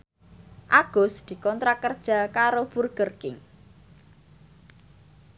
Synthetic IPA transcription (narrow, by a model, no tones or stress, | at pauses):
ʔaɡ̥ɔ̤sd̪̥i̤kɔnt̪ɾakərd̥ʒ̥a̤kaɾopurɡ̥ərkɪŋ